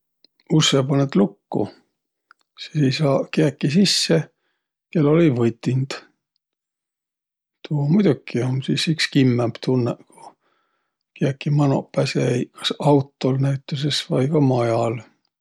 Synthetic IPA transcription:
usːepɑnet̪lukːṵ | sisejsɑːkeækːˑisisːe | kelːo̞livɤjt̪ʲːˑind̪̥ | t̪ʰuomujd̪̥ʲukːiomsisykskimːæmb̥t̪ʰunːeku̥ | keækːˑimɑno̰pːæsejkʰɑ̥sɑwt̪ːˑo̞lnæɥt̪ːˑusesvɑjkɑmɑjɑl

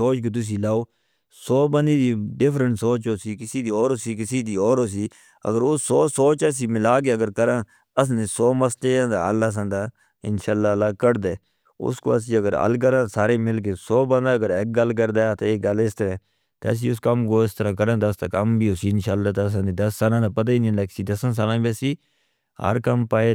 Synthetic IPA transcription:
oːt͡ʃkoːt̪̬ʊs̬ĩːlaːoː | soːbənd̪iːd̪iːɖɪfɾəɳʈsoːt͡ʃoːsiːkɪsiːd̪iːoːɾoːsiːkɪsiːd̪iːɔːɾoːs̬iː | ə̰ɡəɾʊsoːsoːt͡ʃəs̬iːmɪlaːk̬eːəɡəɾkəɾãː | əs̬nẽːsoːməsleːãːd̪a̰ːəlːaːs̬ãːd̪aː | ɪ̰nʃaːlːaːlaːkəɾd̪eː | ʊ̰sko̰ːəs̬ĩːəɡəɾə̰lk̬əɾãːsaːɾeːmɪlk̬eːsoːbə̃nd̪aːəɡəɾeːk̚ɡəlk̬əɾd̪aːt̪oːeːɡəlɪst̪əɾẽː | t̪ːs̬ĩːʊskəmkoːɪst̪əɾãːkəɾãːt̪ːəst̪aːkəmbiːosiːɪnʃaːlːaːt̪ːəs̬ãnd̪eiːd̪əsːaːlãːd̪aːpət̪̬aːiːnĩnd̪aːkɪ̥siːd̪əsə̃ns̬aːlãːbiəsiː | ɦə̰ɾkəmpaːeː

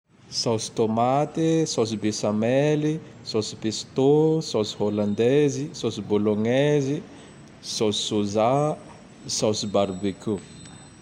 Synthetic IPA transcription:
sawsi̥t̪omat̪isawsibesameli | sawsi̥pest̪osawsi̥holãnd̪ezisawsiboloŋɛzi | sawzisuza | sawsibaɾbiku

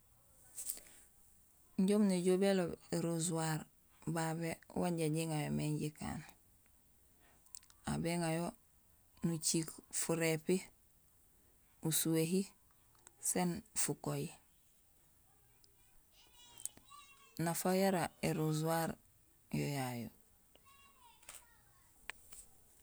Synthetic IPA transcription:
ɲɟoːmneɟoːbelobeɾuzuwaɾ | babḛwaɲɟaɟiŋajomeɲɟika̰ːn | a̰beŋajo | nut͡ʃikfuɾepi | usuweɦi | senfukoji | nafojaɾaeɾuzuwaɾ | jojajo̰

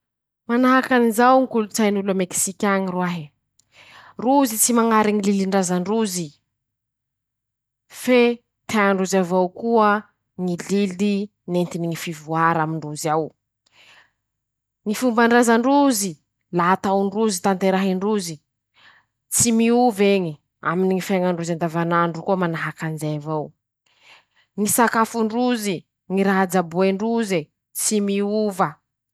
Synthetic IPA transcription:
manaɦakanizawŋikulut͡sajnulameksikʲaɲirwaɦi | ruzit͡simaŋaɾiŋililiɳɖ͡ʐazaɳɖ͡ʐuzi | fe | t̪eaɳɖ͡ʐuzavawkuə | ŋilili | nent̪iniŋifivuaɾamiɳɖ͡ʐuziaw | ŋifumbaɳɖ͡ʐazaɳɖ͡ʐuzi | laɦat̪awɳɖ͡ʐuzit̪ant̪eɾaɦiɳɖ͡ʐuzi | t͡simiuveɲi | a̰miniŋifaŋaɳɖ͡ʐuzand̪avanaɳɖ͡ʐukuəmanaɦakand͡ʒejavaw | ŋisakafuɳɖ͡ʐuzi | ŋiɾaɦad͡zabueɳɖ͡ʐuze | t͡simiuvə

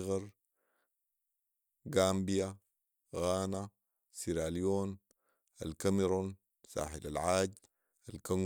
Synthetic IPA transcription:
ɣɑɾˤ | ɡaːmbija | ɣaːna | siɾaːlijoːn | a̰lkameɾon | sa̰ːħilalʕaːɟ | alkaŋ

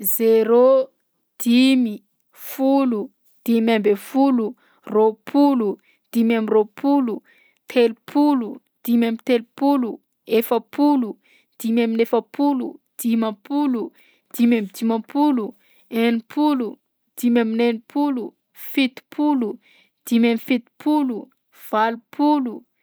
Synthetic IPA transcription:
zeɾo | d̪̥imi | fulu | d̪̥imambefulu | ropʰulu | d̪̥imamiropʰulu | t̪ʰelupʰulu | d̪̥imamit̪elupulu | efəpʰulu | d̪̥imaminefəpʰulṵd̪̥imapulu | d̪̥imamid̪imapulu | enipʰulu | d̪̥imaminenipʰulu | fit̪i̥pʰulu | d̪̥imamifit̪i̥pʰulu | v̥alupʰulu

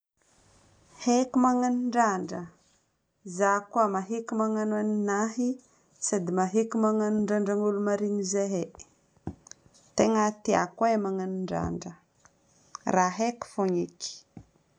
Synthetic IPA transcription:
hekimaŋanuɳɖ͡ʐaɳɖ͡ʐə | zakuamaɦekumaŋanuaninaɦi | sad̪imaɦekimaŋanuɳɖ͡ʐaɳɖ͡ʐaŋulumaɾinizeɦe | t̪eŋat̪ia̰kaemaŋanuɳɖ͡ʐa̰ɳɖ͡ʐə | raɦeku̥foɲiki̥

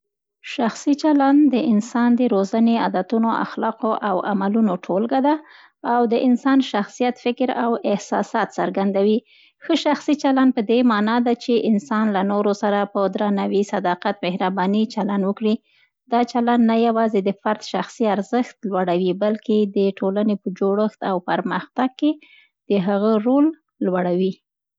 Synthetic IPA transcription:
ʃaxsit͡ʃaland̪d̪əɪnsɑnd̪əɾozanead̪at̪unoʔa̰xlɑqoʔawamalunoʈʰolɡad̪aː | wd̪əʔɪnsɑnʃaxsijat̪fɪkɾa̰wɪhsɑsɑt̪saɾɡand̪awi | xəʃaxsit͡ʃaland̪̚pəd̪emɑnɑd̪at͡ʃeʔɪnsɑnlanoɾosaɾapəd̪ɾɑnawisad̪ɑqat̪mehɾabɑnit͡ʃalanwəkɽi | d̪ɑt͡ʃalanːajawɑzed̪əfaɾt̪ʃaxsiaɾzəxt̪lwaɽawibalked̪əʈʰolanepəd͡ʒoɽəxt̪awpaɾməxt̪aɡ̚ke | d̪̥əɦaɣəɾolː | waɽawi

